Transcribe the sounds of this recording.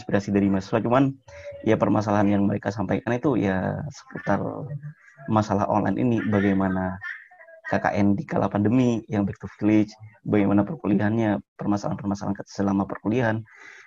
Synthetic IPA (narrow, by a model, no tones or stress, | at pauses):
nspiɾasidaɾimasasuat͡ʃumanjapərmas̬alaɦanjaŋməɾekasampajkanit̪uja̰sə̥put̪a̰r | masalahɔ̰nlʔa̰inʔḭnibaɡajmana | kaka̰ʔɛndika̰lʔa̰pandəmijaŋbɛk̚t̪ufilɪt͡ʃbaɡajmanapərkuliaɦanɲapərmasalaɦanpərmasala̰ankət̪ḁsəlamapərkuliaɦan